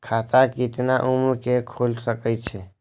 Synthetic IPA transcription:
kʰat̪akit̪naʔumlkekʰulsəkəjt͡ʃʰe

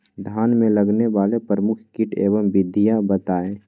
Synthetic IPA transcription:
d̪ʱjaːnmẽləɡneʋaːlepɾəmʊkʰkɪʈʰḛːʋəmbɪd̪ʱːijabət̪aːeː

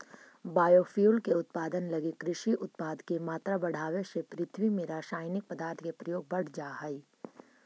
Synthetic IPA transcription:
baːjoːfjuːlkeʊt̪̚paːd̪ənlɐɡikɾɪʃiʔʊt̪̚paːd̪kemaːt̪ɾabɐɽ̤aːwesepɾɪt̪ʰwimẽɾaːʃaːjnɪk̚pəd̪aːɾt̪ʰkepɾɐjoːɡ̚bɐɽ̤ʰd͡ʒaːɦəi

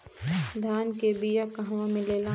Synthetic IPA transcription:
d̪ʱaːnkebijakaɦʋãmẽleːlaː

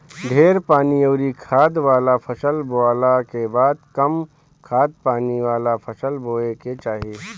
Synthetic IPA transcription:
ɖʱeːɾpaːnioːɾikʰaːd̪ʋaːlapʰɐsəlboaːlakebaːd̪̚kɐm | kʰaːd̪̚paːniʋaːlapʰɐsəlboːeket͡ʃaːɦieː

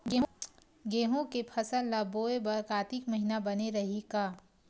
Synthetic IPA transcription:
ɡe | ɡeːɦõkepʰɐsəlːaboːebɐɾkaːt̪ikmɐɦinabɐneɾɐɦikaː

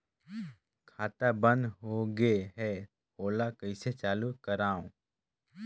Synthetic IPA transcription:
kʰaːt̪abə̃nd̪ɦoɡeɦɛ | oːlakəɪset͡ʃaːlukəɾaːõ

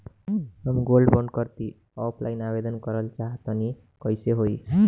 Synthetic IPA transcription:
ɦʌmɡolɖbʌɳɖkʌɾt̪i | ɔpʰla̰jnabed̪ʌnkʌɾʌlt͡ʃaɦt̪ʌni | kʌjseɦoj

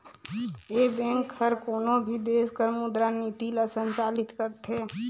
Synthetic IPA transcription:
ebẽŋkʰːəɾkoːnobʱid̪eːskəɾmʊd̪ɾaniːt̪ilasə̃nt͡ʃaːlɪt̪kəɾt̪ʰe

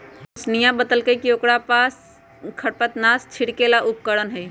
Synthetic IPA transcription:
ʊsnijãbəd̪əlkəikioːkɽapaːs | kʰəɽpət̪naːst͡ʃʰɪɽkelaʔʊp̚kəɽənɦɛ

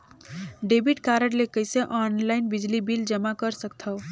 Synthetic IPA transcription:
ɖebiʈkaɾəɽlekəjseʔɔnlaɪnbid͡ʒlibild͡ʒəmakəɾsəkt̪ʰəʊ

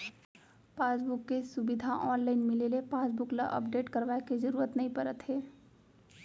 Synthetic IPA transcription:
pasbukːesubid̪ʱaʔɔnlaɪnmilelepasbukla̰ʔə̰p̚ɖeʈkəɾʋaeked͡ʒəɾuɾət̪nəĩpəɾət̪ɦeː

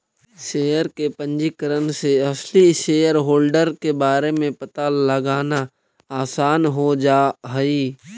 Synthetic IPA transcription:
ʃeːjəɾkepə̃ɲd͡ʒikəɾənseɐsliʃeːjəɾɦoːlɖəɾkebaːɾemẽpɐt̪aləɡaːna | aːsaːnɦod͡ʒaːɦəiː

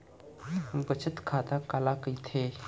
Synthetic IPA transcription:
bət͡ʃʰət̪kʰaːt̪akalakəjt̪ʰe

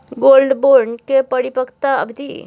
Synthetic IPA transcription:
ɡolɖboɾɖkepəɽipəkt̪aə̰bʱd̪ḭ

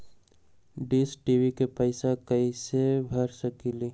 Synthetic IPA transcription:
ɖiːsʈiːʋikepəɪsakɐisebʱɐɾsəkiliː

